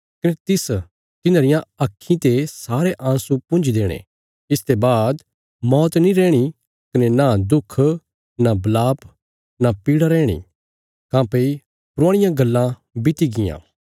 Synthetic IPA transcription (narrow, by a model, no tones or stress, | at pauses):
kɐnet̪ɪs | t̪ɪnãːɾɪjãɐkʰːĩt̪esaːɾeʔãːsupʊ̃nd͡ʒd̪eːɽ̃ḛ̃ | ɪst̪ebaːd̪ | mɔːt̪nĩɾɛːɽ̃i | kɐnenad̪ʊkʰː | nabɐlaːp | napiːɽaɾɛ̃ːɽ̃ḭ | kãːpei | pʊɾãːɽɪjãɡɐlːã | bɪt̪iɡɪjã̰ː